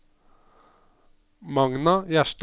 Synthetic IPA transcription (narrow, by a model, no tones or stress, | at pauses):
mɑŋnɑjæʃʈ